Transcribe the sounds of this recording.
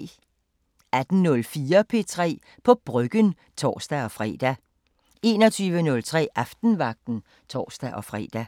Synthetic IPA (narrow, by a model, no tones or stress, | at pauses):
æd̥n̩nɔ̽lfiːɐpʰe̝̰ːt͡sʰʁɛ̰ː | pʰɒ̽b̥ʁœɡ̥ən | t͡sʰɒ̰ːsd̥æɒ̽fʁɛ̰ːd̥æ | e̝ːnɒ̽t͡sʰyːʋənɔ̽lt͡sʰʁɛ̰ːʔɑfd̥n̩ʋɑ̈ɡ̥̚d̥n̩ | t͡sʰɒ̰ːsd̥æʔɒ̽fʁɛ̰ːd̥æ